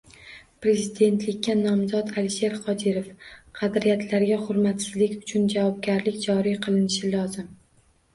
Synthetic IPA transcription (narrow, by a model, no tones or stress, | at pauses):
pɾe̞zid̪e̞nt̪lɪkʲːanɒmzɒt̪alɪʃe̞ɾqɒd̪iɾefqʰɑd̪ɾijat̪ʰlaɾɡʲaχʊɾmat̪sɪzlɪkʲʊ̥t͡ʃʰʊnd͡ʒavɒb̚ɡʲaɾlɪkʲd͡ʒɒɾiqʰɨlˠɪnɪʃɪlɒzɪm